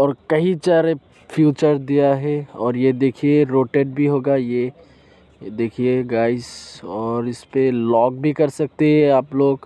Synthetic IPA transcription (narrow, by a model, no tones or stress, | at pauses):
ɔːɾkɐɦĩt͡ʃaːɾe | fjuːt͡ʃəɾd̪ijaɦɛɔːɾjed̪eːkʰieɾoːʈeːɖ̚bʱiɦoːɡaje | d̪eːkʰieɡaːɪsɔːɾɪspelɔːɡ̚bʱikɐɾsɐk̚t̪eɦɛ̃aːploːɡ